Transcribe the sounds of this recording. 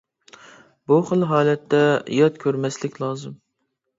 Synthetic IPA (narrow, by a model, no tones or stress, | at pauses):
buχəlˠɦɑːlˠɛt̪ʰːɛjɑt̪kʲʰøɾmɛslɪkʲlˠɑːzɨm